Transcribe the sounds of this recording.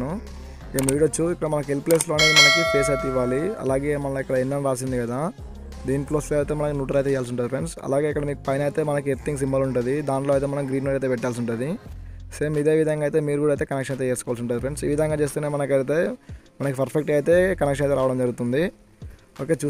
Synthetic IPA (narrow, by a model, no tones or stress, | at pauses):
nu | eːmuːɽɐt͡ʃːuikːɐɽɐmɐnɐkuelple̞ːslo̞ːɐneːd̪imɐnɐkit͡ʃeːseːt̪iʋːaːliɐ̰laːɡe̞ːmɐlɐikːɐɽɐinːɐmɾaːsind̪ikɐd̪aː | d̪iːniploːsleːɐt̪eːmɐnɐkunuːʈɐɾɐjt̪ɛjaːlsuɳʈːd̪ipɾeɳsɐ̰laːɡe̞ːikːɐɽɐmiːkupɐjnɐjt̪e̞ːmɐnɐk̬eɾt̪ʰiŋɡs̬imbɐluɳʈund̪id̪aːɳʈloːɐjt̪eːmɐnɐmɡɾiːnmoʈɐjt̪eːpɛʈːjaːls̬uɳʈund̪iseːmid̪e̞ːʋid̪ʱɐŋɡaːjt̪e̞ːmiːɾukuɽaɐjt̪eːkɐnekʂɐnɐjit̪eeːskɔʋaːlsuɳʈ̬ːaːd̪ipɾeɳsḭːʋid̪ʱɐŋɡaːt͡ʃe̞ːs̬t̪uːneːmɐnɐkɐjt̪̬eːmɐnɐkipɐɾpʰek̚ʈɐjt̪e̞ːkɐnekʂɐnɐjt̪eɾaːʋɐɽɐmd͡ʒɐɾɡut̪und̪i | oːke̞ːt͡ʃuː